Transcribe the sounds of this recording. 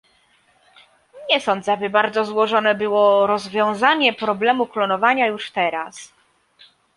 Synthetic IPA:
ɲɛsɔnd̪zɛabɘbaɾd̪zɔzwɔʐɔnɛbɘwɔɾɔzvʲjɔ̃w̃zaɲɛpɾɔblɛmuklɔnɔvaɲajuʂt̪ɛɾas

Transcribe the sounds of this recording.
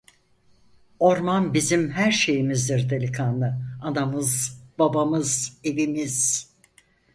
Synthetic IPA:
o̞ɾmanbizimɦæɾʃe̞jimizd̪iɾd̪elʲikʰanlˠɯad̪amɯzb̥abamɯze̞vimiz̥

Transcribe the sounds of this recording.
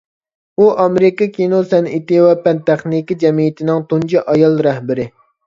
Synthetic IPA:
uʔɑmeɾɪkɑkʲʰinosɛnit̪ɪwɛpɛnt̪ɛχnikʲid͡ʒɛmijit̪ʰɪnɪŋt̪und͡ʒiʔɑjɑlˠɾɛhbɪɾɪ

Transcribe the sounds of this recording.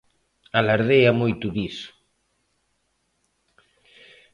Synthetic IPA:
alaɾðejamojt̪uðis

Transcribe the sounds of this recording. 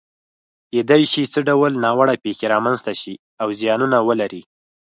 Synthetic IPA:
ked̪ajʃit͡səɖawəlnɑwaɽapexeɾɑmanzt̪aʃi | awzjɑnunawəlaɾi

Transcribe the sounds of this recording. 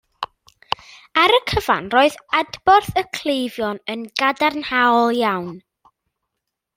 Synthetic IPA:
aɾəkʰəva̰nroːɨðadbɔrθəkʰlˠejvjɔnənɡadarnhawlˠjawn

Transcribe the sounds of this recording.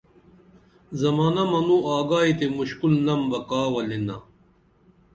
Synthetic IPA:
zɐmaːnɐmɐnuaːɡaːit̪emuɕkulnɐmbɐkaːwɐlinɐ̰

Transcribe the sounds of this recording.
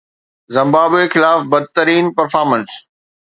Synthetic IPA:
zɐ̃mbaːbexɪlaːfbɐd̪̚t̪əɾiːnpɐɾfaːɾmə̃ns

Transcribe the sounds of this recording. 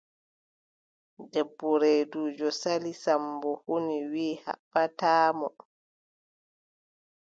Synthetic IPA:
dɛbːɔɾeːduːd͡ʒɔsalisambɔhoniwiːha̰ɓːataːmɔ

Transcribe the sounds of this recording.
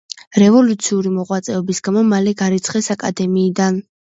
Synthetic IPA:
ɾɛvɔlut̪sʰiuɾimɔʁwat̪sʼɛɔbisɡamɔmalɛɡaɾit̪sʰχɛsakʼad̪ɛmiːd̪an

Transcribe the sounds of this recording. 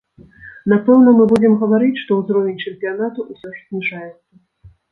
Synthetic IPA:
napɛwnɐmɨbud͡zʲɛmɣɐvaɾɨt͡sʲʂt̪ɔwzɾɔvʲnʲt͡ʂɛmʲpʲijanat̪uʔusʲɔʂzʲnʲiʐajɛt̪sːɐ

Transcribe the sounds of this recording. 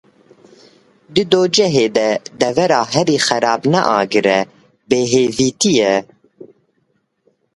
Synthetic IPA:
d̪ɨd̪oːd͡ʒɛɦeːd̪ɛd̪ɛvɛɾɑːɦɛɾiːxɛɾɑːbnɛʔɑ̰ːɡɨɾɛ | beːɦeːviːt̪ijɛ

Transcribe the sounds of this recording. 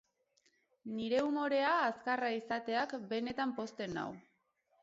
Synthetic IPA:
niɾe̞umo̞ɾe̞aːskaraisat̪e̞akbe̞ne̞t̪ampo̞st̪e̞na̰w

